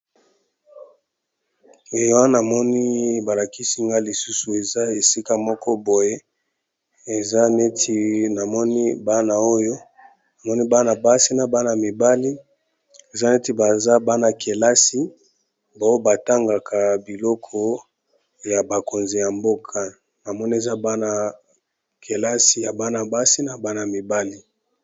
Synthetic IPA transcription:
jo˨a˦na˨mɔ˦ni˦ba˨la˨ki˦si˦ŋɡa˦li˨su˦su˨e˨za˦e˨si˦ka˦mɔ˦kɔ˦bo˨je˦ | e˨za˦ne˦ti˨na˨mɔ˦ni˦ba˦na˨o˦jo˦ | na˨mɔ˦ni˦ba˦na˨ba˦si˦na˨ba˦na˨mi˨ba˦li˦ | e˨za˦ne˦ti˨ba˨za˦ba˦na˨kʰe˨la˦si˦ | bo˦jo˦ba˨ta˦ŋɡa˨kʰa˨bi˨lɔ˦kʰɔ˦ | ja˨ba˨ko˨nzi˨ja˨mbo˦kʰa˨ | na˨mɔ˦ni˦e˨za˦ba˦na˨ | kʰe˨la˦si˨ja˨ba˦na˨ba˦si˦na˨ba˦na˨mi˨ba˦li˦

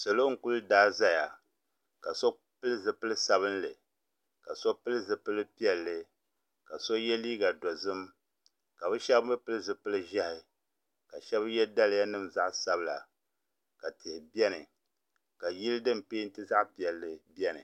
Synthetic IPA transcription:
so˨lo˦ŋ̩˦˨ku˦lɨ˦daː˦za˦ja˨ | ka˨so˦ | pɨ˦lɨ˦zɨ˨pɨ˦lɨ˦sa˨bɨ˦n˦lɨ˨ | ka˨so˦pɨ˦lɨ˦zɨ˨pɨ˦lɨ˦pi˦ɛ˨lːɨ˨ | ka˨so˦jɛ˦liː˦ɡa˨do˨zɨ˦m | ka˨bɨ˦ʃɛ˦bbɨ˦pɨ˦lɨ˦zɨ˨pɨ˦lɨ˦ʒɛ˦hɪ˨ | ka˨ʃɛ˦bjɛ˦da˦lja˦nɨ˦mza˦ʔsa˨bɨ˦la̰˨ | ka˨tɪ˨hɪ˨bɛ˦nɨ˨ | ka˨ji˦lɨ˦dɨ˦m˨peː˦n̩˦tɨ˦za˦ʔpi˨ɛ˨lːɨ˨bɛ˦nɨ̰˨

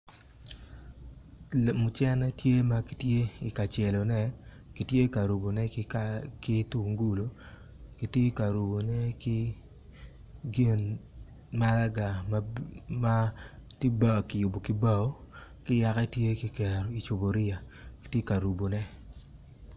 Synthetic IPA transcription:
mʊ˨t͡ʃɛ˦nɛ˦tje˦ma˦ki̥˦tje˦i˨ka˨t͡ʃjɛ˨lo˨nɛ˦ | ki˨tje˦i˦ka˨ɾu˨bo˨nɛ˦kkɪ˦tu˦˨ŋɡu˦lo˨ | ki˨tje˦i˦˨ka˨ɾu˨bo˨nɛ˦kɪ˦ | ɡi˦˨n | ma˦la˦ɡa˨mma˦ti˦ba˦˨kɪ˨jʊ˨bo˨kɪ˦ba˦˨o˦kɪ˦ja˦kɛ˦tje˦ki˦kɛ˨ɾo˨i˨t͡ʃo˨bo˨ɾɪ˦a˨ | ki̥˦tje˦i˦ka˨ɾu˨bo˨nɛ˦

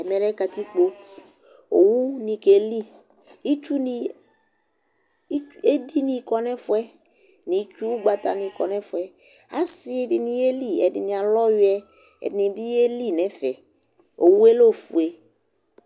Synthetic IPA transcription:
ɛ˨mɛ̃˨lɛ˦ka˨t̪i˦k͡po˦ | o̰˨wu˦nĩ˨ke˨˦li˦ | i˦t͡ʃu˦ni˦ | e˦di˦nĩ˦kɔ˨nɛ̃˦fʊ˦ɛ˦ | nĩ˨˦t͡ʃu˦wu˦ɡ͡ba˨t̪a˨nĩ˧˨kɔ˨nɛ̃˦fʊ˨˦ɛ˦ | a̰˨sɪ˦ɛ˦dɪ˨nĩ˨e˦li˦ɛ̰˨dɪ˨nĩ˨a˨lɔ˦wi˨˦ɛ˦ | ɛ̰˨dɪ˨nĩ˨bi˦e˦li˦nɛ̃˨˦fɛ˨ | o˨wu˦e˦lo˦˨fṵ˨e˨

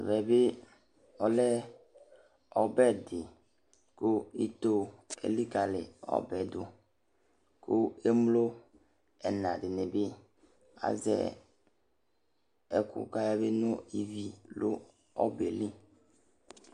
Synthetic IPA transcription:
vɛ˨be˦ | ɔ˨lɛ˦ | ɔ˦bɛ˦˨di˨ | ko˦i˦t̪o˦ḛ˨li˦ɡa˨lḛ˨ɔ̰˦bɛ˨do˨ | ko˦e˦mlo˦ | ɛ˨nã˨di˨ne˨be˦ | a̰˦zɛ̰˦˨ | ɛ˨kṵ˨ka˦ja˦be˦nʊ˦i˨vi˨lo̰˦ | ɔ̰˦be˨li˦

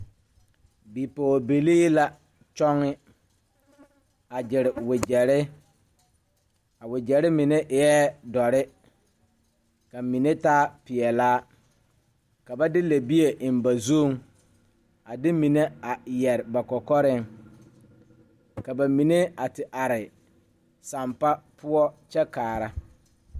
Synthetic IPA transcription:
bi˨poː˨be˨liː˦la˦ | t͡ʃɔ˦ŋɪ˦ | a˨d͡ʒɪ˨ɾɪ˨wɪ˨d͡ʒɛ˨ɾɪ˦ | a˨wɪ˨d͡ʒɛ˨ɾɪ˦mɪ˨ne˦ʔjɛ˦dɔ˨ɾɪ˦ | ka˨mi˨ne˦taː˦pɪ˨ɛ˨laː˦ | ka˨ba˦dɪ˦le˨bi˦e˨ʔɪ˨m˨ba˨zu˦˨ŋ | a˨dɪ˦mi˨ne˦a˨jɛ˨ɾɪ˨ba˨kɔ˨kɔ˦ɾɪ˦ŋ | ka˨ba˨mi˨ne˦a˨tɪ˨ʔa˨ɾɪ˨ | sa˨mpa˦pʰʊ˦ɔ˦t͡ʃɛ˦kaː˨ɾa˦

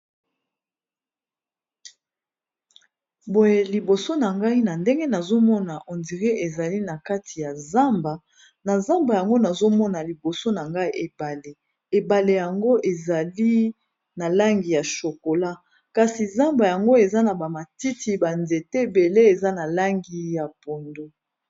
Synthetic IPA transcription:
bo˨je˨li˨bo˨so˦na˨ŋɡa˦i˦na˨nde˦ŋɡe˦na˨zo˦mɔ˦na˨ʔɔ˨ndi˨ʁe˦ʔe˨za˨li˦na˨ka˦tʰi˨ja˨za˦mba˨ | na˨za˦mba˨ja˨ŋɡo˦na˨zo˦mɔ˦na˨li˨bo˨so˦na˨ŋɡa˦i˦ʔe˨ba˨le˨ | e˨ba˨le˨ja˨ŋɡo˦ʔe˨za˨li˦ | na˨la˦ŋɡi˨ja˨ʃo˨ko˨la˦ | ka˨si˨za˦mba˨ja˨ŋɡo˦e˨za˦na˨ba˨ma˨ti˦tʰi˨ba˨nze˨te˦˨be˨le˦e˨za˦na˨la˦ŋɡi˨ja˨po˨ndo˦

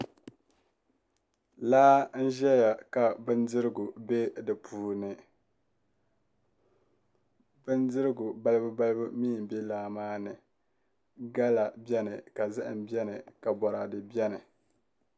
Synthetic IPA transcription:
laː˦n̩˦ʒɛ˦ja˨ka˨bɨ˦ndɨ˦ɾɨ˦ɡu˨be˦dɨ˨pʰuː˨nɨ˨ | bɨ˦ndɨ˦ɾɨ˦ɡʊ˨ba˦lɨ˦bɨ˦ba˦lɨ˦bɨ˦miː˦˨be˦laː˨maː˦nɨ˨ | ɡa˦la˨bjɛ˦nɨ˨ka˨za˦ʔɨ̰˨mbjɛ˦nɨ˨ka˨bɔ˨ɾa˨dɨ˨bɛ˦nɨ˨

